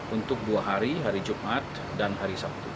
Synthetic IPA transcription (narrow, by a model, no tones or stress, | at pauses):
unt̪ʊk̚duaɦaɾiɦaɾid͡ʒumʔat̪̚ | danɦaɾisap̚t̪u